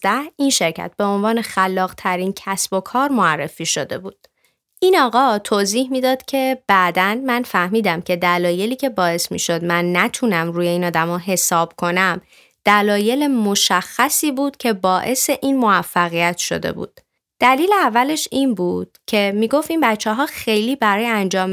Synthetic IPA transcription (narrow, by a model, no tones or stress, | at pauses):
d̪æhinʃe̞ɾcʰæ̰t̪̚b̥e̞o̞nvɒːne̞xælːɒːɣt̪ʰæɾiːncʰæsb̥o̞kʰɒːɾmoærːe̞̰fiːʃod̪e̞̰bṵːd̪̥ | ʔiːnɒːɣɒːt̪ʰoːziːhmiːd̪ɒːd̪̥cʰe̞b̥æʔd̪ænmænfæhmiːd̪æmcʰe̞d̪ælɒːje̞liːcʰe̞bɒːe̞smḭːʃo̞d̪̚mænːæt̪ʰunæmɾuːje̞iːnɒːd̪æmɒːɦe̞sɒːb̥̚kʰo̞næm | d̪̥ælɒːje̞lemo̞ʃæxːæsiːbuːd̪̥cʰe̞bɒːʔe̞se̞ʔiːnmo̞æfːæɣijæt̪ʃo̞̰d̪e̞̰bṵːd̪̥ | d̪̥æliːleævːæle̞ʃinbuːd̪̥̚cʰe̞miːɡo̞ft̪iːnbæt̪t͡ʃʰːeɦɒːxe̞jliːbæɾɒːjeænd͡ʒɒːm